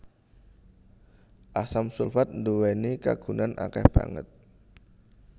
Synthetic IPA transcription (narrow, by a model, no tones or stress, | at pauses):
ʔasamsulfat̪̚nduwenika̰ɡ̥unanʔa̰kɛ̰hb̥a̰ŋə̰t̪̚